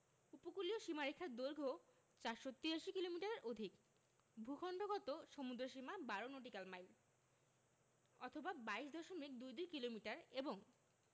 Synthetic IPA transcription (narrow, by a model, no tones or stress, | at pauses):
upokulioʃimaɾekʰːaɾd̪oɾɡʱo | t͡ɕaɾʃot̪ːiaʃikilomiʈaɾeɾʔod̪ʱik | bʱukʰɔɳɖoɡɔt̪oʃomud̪ɾoʃimabaɾonoʈikalmajl | ɔt̪ʰobabaiʃd̪ɔʃomik̚d̪ujd̪ikilomiʈaɾeboŋ